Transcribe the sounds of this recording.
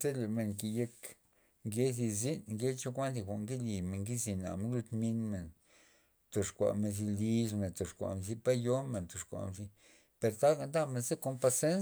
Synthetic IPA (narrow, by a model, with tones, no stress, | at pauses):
se˦le˨me˧ŋki˨je˧k | ŋɡe˦zi˧zi˦nŋɡe˦t͡ʃo˦kʷa˦nd̪i˧kʷa˨ʔŋɡi˦li˨me˨ŋɡi˦zi˧na̰˨me˧nlu˧t̪mi˧nme˨n | t̪o˨ʂkʷa̰˨me˧nzi˧li˧˦ʂme˨t̪o˨ʂkʷa̰˨me˧zi˧pa˦jo˦me˨nt̪o˨ʂkʷa̰˨me˧zi˧ | pe˧ɾt̪a˦ɡa˧nd̪a˦me˧nze˦ko˧mpa˧se˦n